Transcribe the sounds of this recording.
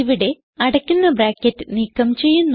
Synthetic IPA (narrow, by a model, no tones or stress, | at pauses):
iʋiɽe̞ | ɐɽɐkʲːunːɐbɾaːkːɐtːɨniːkːɐmt͡ɕe̞jːunː